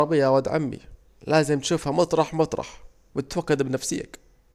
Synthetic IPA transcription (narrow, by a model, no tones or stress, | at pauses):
ɾˤɑbɪjːawad̪ʕa̰mːḭ | laːzɪmt̪ʃuːfhamɑt̪ˤɾˤɑħmɑt̪ˤɾˤɑ̰ħ | bɪɪt̪wakːad̪bɪnafsɪjːa̰k